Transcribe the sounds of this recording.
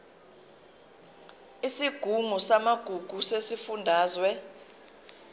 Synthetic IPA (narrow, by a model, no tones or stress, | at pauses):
isiɡ̥ʱumusamaɡ̥ʱuɡ̥ʱusesifundʱaːzwɛ